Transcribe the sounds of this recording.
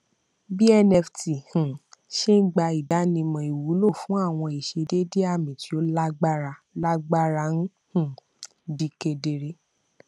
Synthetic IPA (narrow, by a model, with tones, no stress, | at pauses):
bi˦ɛ˧nɛ˧fti˨hũ˨ʃe˦n̩˦ɡ͡ba˧i˨da˨˦nĩ˧mɔ̃˨i˨wu˨˦lo˦˨fũ˦a˦˨w̃ɔ̃˧i˨ʃe˧de˦de˦a˦˨mĩ˨ti˨˦o˦la˦ɡ͡ba˦ɾa˧la˦ɡ͡ba˦ɾa˧˦nũ˦ | hũ˨ | di˨˦ke˧de˧ɾe˦